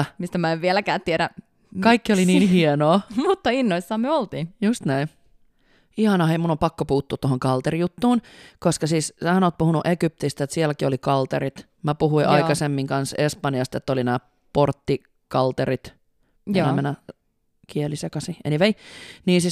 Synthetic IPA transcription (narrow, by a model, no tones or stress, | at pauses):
mist̪æmæeʋʋielækæːt̪t̪ieɾæ | kɑikːiolininhienoːmut̪ːɑinːoisːɑːmyøolt̪iːnjust̪næin | ihɑnɑeimunːompɑkːopuːt̪ːuːt̪tohoŋkɑlt̪erijut̪ːuːnkoskɑsiːsshænoːt̪puhunuʔekyp̚t̪ist̪et̪sielkiolikɑlt̪eɾit̪ | mæpuhuiʔɑikɑsemːiŋkɑnsespɑnjɑst̪et̪ːolinæː | port̪ːi | kɑlt̪eɾit̪ | inæmenːæ | kielisekɑsiʔeniʋeiniːnsiːs